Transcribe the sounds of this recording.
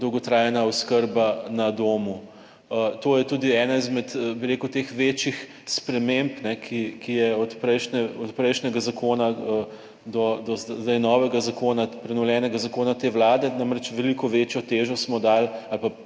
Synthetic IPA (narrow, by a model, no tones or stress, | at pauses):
d̪ɔwɡɔt̪ɾaːjɛnaɔskəɾbanɐd̪oːmu | ət̪oːjɛt̪uːd̪iɛːnaizmɛt̪biɾeːkut̪exʋet͡ʃjix | spɾɛmempnɛkʰikijɛɔt̪pɾɛjʃnɛɔt̪pɾɛjʃnɛɡazakoːnaə | d̪ɔd̪ɔzzd̪ajnɔːʋɛɡazakoːnapɾɛnɔwljɛːnɛɡazakoːnat̪eːʋlaːd̪ɛnamɾɛt͡ʃʋɛlikɔʋet͡ʃjɔt̪eʒɔsmɔd̪alalpa